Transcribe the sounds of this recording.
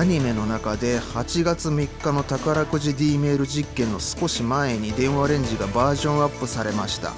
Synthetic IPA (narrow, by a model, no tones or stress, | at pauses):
aɲ̟ime̞no̞nakad̪e̞hat͡ɕiɡat͡sɨmʲikːano̞t̪akaɾakɯ̟ʑid̪ʲiːme̞ːɾɯ̟ʑikːẽ̞nːo̞sɨ̥ko̞ɕimae̞ɲ̟id̪ẽ̞ɰ̃βaɾẽ̞ɲ̟d͡ʑiɡabaːʑõ̞ɰ̃apːɯ̟saɾe̞maɕi̥t̪a̰